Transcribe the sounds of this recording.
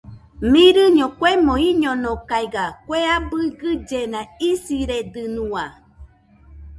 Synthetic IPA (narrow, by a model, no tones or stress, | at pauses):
mĩɾɨɲõkʷemõiɲõnõkajɡakʷeabɨɡɨd͡ʒenãisiɾed̪ɨnũa